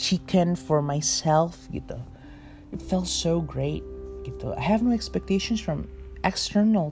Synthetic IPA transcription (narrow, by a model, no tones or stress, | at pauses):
ʃikʰɛ̃nfɔ˞maɪsɛlˠfɡɪ̰t̪o | ɨtfɛlˠsoʊɡɹeɪt̚ɡ̥ɪt̪o̰a̰ɪhɨvnoʊɛkspɛk̚tʰeɪʃɨ̃nsfɹʌ̃mʔɛkstɜ˞nəlˠ